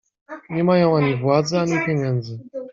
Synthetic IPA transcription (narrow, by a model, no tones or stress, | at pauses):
ɲɛmajɔ̃w̃aɲivwad̪zɛaɲipʲjeɲɛnd̪zɘ